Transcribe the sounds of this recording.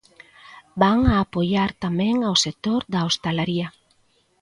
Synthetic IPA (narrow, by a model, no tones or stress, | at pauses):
baŋaːpojaɾt̪amɛ̃ŋawsek̚t̪oɾðaost̪alaɾiɐ